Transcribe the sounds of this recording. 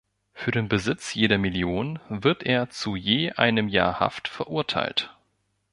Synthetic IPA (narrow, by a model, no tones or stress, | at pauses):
fyːɐɾeːnbəzɪt͡sjeːɾɐmɪljoːnvɪɐtʔeːɐt͡sujeːʔa̰ɪnəmja̰ːɐha̰ftfɛɐʔʊɐtʰa̰ɪlt